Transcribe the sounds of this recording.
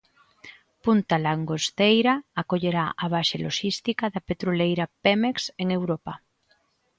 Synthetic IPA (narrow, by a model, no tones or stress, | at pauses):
punt̪alaŋɡost̪ejɾaakoʎeɾaʔaβ̞aʃeloʃist̪ikaðapet̪ɾolejɾapemekseŋewɾopa